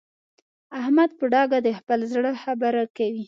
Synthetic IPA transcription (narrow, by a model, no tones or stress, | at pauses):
ahmad̪̚pəɖɑɡad̪əxpəlzɽəxabaɾakawi